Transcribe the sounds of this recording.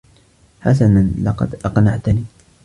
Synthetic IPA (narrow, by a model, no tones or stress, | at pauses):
ħasananlɑqɑ̰d̪ʔɑqnaʕt̪niː